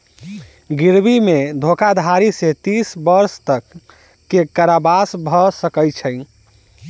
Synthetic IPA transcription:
ɡiɾbimed̪ʱokad̪ʱaɾiset̪isbəɾst̪əkː | ekaɾabasbʱɔsəkəjt͡ʃʰəj

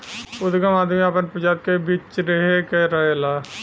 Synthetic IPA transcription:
ʊd̪ɡamaːd̪meapənpəd͡ʒaːt̪̚kebiːt͡ʃɾeɦekeɾɐɦelaː

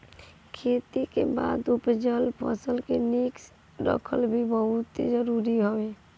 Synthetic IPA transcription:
kʰet̪ikḛba̰d̪upd͡ʒəlpʰə̰səlkeniks | ɾə̰kʰəlbʱibəɦut̪d͡ʒəɾuɾiɦobe

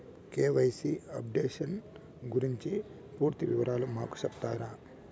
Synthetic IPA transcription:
keːʋɐjsiɐp̚ɖeːʂɐn | ɡuɾiɲt͡ʃi | puːɾt̪iʋiʋɐɾaːlumaːku̥sɐbt̪aːɾaː

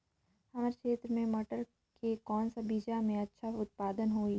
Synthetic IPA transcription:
hɐmaːɾekʰeːt̪ɾəmẽmɐʈəɾ | kekɔːnsabiːd͡ʒamẽɐtːʃʰaʊt̪̚paːd̪ənɦoːi

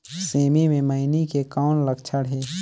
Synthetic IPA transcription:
seːmimẽməɪnikekaːʊnləkt͡ʃʰəɽɦeː

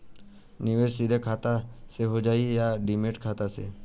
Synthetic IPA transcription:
niʋesid̪ʱekʰat̪aseɦod͡ʒaijaɖimeʈkʰat̪asḛ

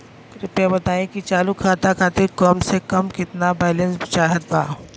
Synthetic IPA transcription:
kɾɪpjabɐt̪aːẽkit͡ʃaːlukʰaːt̪akʰaːt̪ɪɾkɔːmsekɐmkɪt̪nabaːlẽnsbɪt͡ʃaːɦət̪̚baː

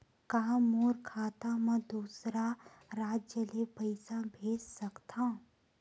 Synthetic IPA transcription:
kaːmoːɾkʰaːt̪ãmə̃d̪uːsɾa | ɾaːd͡ʒjəlepəɪsabʱeːd͡ʒsəkt̪ʰã

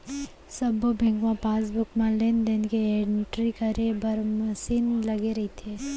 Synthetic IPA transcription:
sɐbobʱẽŋɡʋãpaːsbʊkmãleːnd̪eːnkeeɖɪɳʈɾikɐɾebɐɾməʃiːnlɐɡeɾɐɦit̪ʰeː

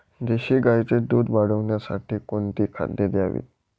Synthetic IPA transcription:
d͡ʑeɕiːɡajt͡sed̪ud̪baɽəʋɳjasa̰ʈiːkoɳt̪iːkʰa̰d̪ːed̪jaʋḭːt̪̚

